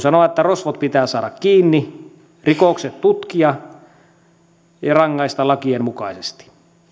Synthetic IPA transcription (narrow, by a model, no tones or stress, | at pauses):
sɑnoʋɑt̪et̪ːærosʋot̪̚pit̪æːsɑːɾɑkkiːnːi | rikokset̪t̪ut̪kiɑ | jɑrɑŋːɑist̪ɑlɑkiemmukɑisest̪i̥